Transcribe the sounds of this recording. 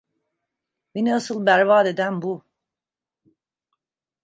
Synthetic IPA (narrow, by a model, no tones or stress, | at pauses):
beniasɯlˠbæɾvaːd̪e̞d̪ænbu